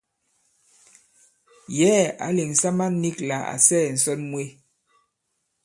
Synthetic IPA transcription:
jɛ˦a̰˨˦le˨ŋ̩˨sa˦ma˦ni˦kla˨a̰˨sɛː˦˨n̩˨sɔ˦nmwe˦

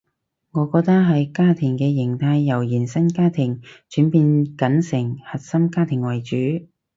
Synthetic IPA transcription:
ŋɔː˨˧kɔː˧k̚t̪ɐ˥ɦɐ˨jkaː˥t̪ʰɪ˨˩ŋkɛː˧jɪ˨˩ŋt̪ʰaː˧jːɐ˨˩wjiː˨˩nsɐ˥nkaː˥t̪ʰɪ˨˩ŋt͡ʃyː˨˥npiː˧nkɐ˨˥nsɪ˨˩ŋhɐ˨t̚sɐ˥mkaː˥t̪ʰɪ˨˩ŋwɐ˨˩jt͡ʃyː˨˥

